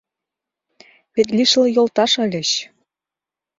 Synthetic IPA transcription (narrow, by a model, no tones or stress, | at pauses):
βet̪lʲiʃə̆lɤ̆jolt̪ɑʃɤ̆lʲɘ̆ɕ